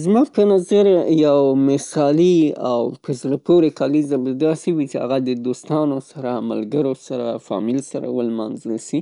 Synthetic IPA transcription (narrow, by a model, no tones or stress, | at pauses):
zmɑpənazaɾjawmɪsɑlia̰wpəzlapʰoɾekɑlizabad̪ɑsiwit͡ʃea̰ɣad̪əd̪ost̪ɑnosaɾama̰lɡəɾosaɾafɑ̰mɪlsaɾa̰wəlma̰nznəʃi